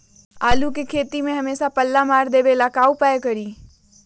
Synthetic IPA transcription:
aːlukekʰeːt̪imẽɦəmeːsapəlːamaːɾd̪ebelakaːupaekəɾiː

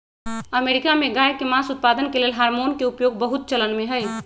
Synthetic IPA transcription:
əmeɾikameɡajkemãsut̪̚pad̪ənkelelɦaɾmonkeupjoɡ̚bəɦut̪̚t͡ʃələnmeɦəj

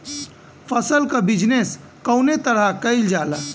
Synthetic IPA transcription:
pʰəsəlkəbid͡ʒnes | kəʊnet̪əɾakəɪld͡ʒalə

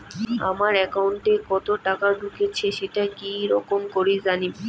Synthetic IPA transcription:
a̰maɾɛkauɳʈekɔt̪oʈakaɖukʰet͡ɕʰeʃeʈakiɾɔkomkoɾid͡ʑani

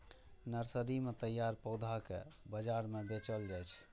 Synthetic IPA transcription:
nəɾsəɾimet̪əjaɾpəwd̪ʱakḛbəd͡ʒaɾmebet͡ʃəld͡ʒɛt͡ʃʰ

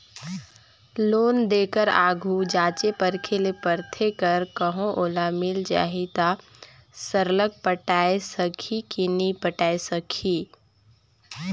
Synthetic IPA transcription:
loːnd̪eːkəɾa̰ːɡʱud͡ʒaːt͡ʃepəɾkʰelepəɾt̪ʰekəɾkəɦõʔoːlamɪld͡ʒa̰ːɦit̪a | səɾlək̚pəʈaːesəkʰikinipəʈaːesəkʰiː

